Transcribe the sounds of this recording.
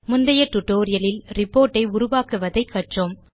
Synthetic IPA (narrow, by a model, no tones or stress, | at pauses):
mʊnd̪ɐjɐʈːʊʈːoːɾɪjɐlɪlɾɪpːoːɾʈːɐɪʊɾʊʋaːkɯʋɐðɐɪkːɐʈrɯm